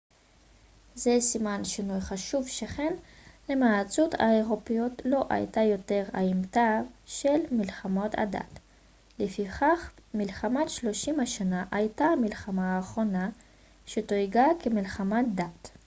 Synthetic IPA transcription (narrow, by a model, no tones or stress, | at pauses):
zesimanʃinujχaʃuvʃeχenlemat͡suta̰eʁopijotlo̞ʔa̰jtajo̞teʁa̰imtaʃelmilχamo̞tʰa̰da̰t | lefiχaχmilχamatʃlo̞ʃimaʃanaʔajtamilχamaːχʁo̞na | ʃetoiɡakemilχamadat